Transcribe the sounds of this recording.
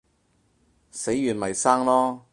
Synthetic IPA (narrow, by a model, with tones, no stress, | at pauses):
se˨˥jːyː˨˩nmɐ˨˩jsaː˥ŋlɔː˥